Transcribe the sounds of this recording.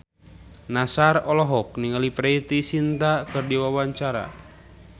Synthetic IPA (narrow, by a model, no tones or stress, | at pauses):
nasarɔlɔɦɔk̚niŋalipɾɛit̪isint̪akɨrdiwawaɲt͡ʃaɾa̰